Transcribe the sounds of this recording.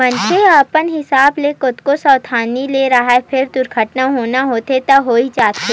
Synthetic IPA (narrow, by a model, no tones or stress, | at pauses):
mɐnt͡ʃʰeəpənɦɪsaːblekʊt̪kosɔːt̪ʰaːnileːɾɐɦaepʰɪɾd̪ʊɾɡʱəʈnaɦoːnaɦoːt̪et̪ɐɦoːid͡ʒaːt̪eː